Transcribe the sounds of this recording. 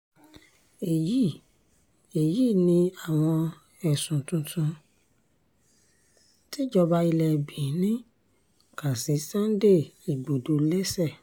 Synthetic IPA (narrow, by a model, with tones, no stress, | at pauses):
e˨ji˦˨ | e˨ji˦˨nĩ˧a˨w̃ɔ̃˧ | ɛ˨sũ˨tũ˧tʰũ˧ | ti˦d͡ʒɔ˧ba˧i˧lɛ˨bi˨˦nĩ˦ | ka˨si˨˦sã˦n˦de˦˨i˨ɡ͡bo˨do˨˦lɛ˦sɛ˦˨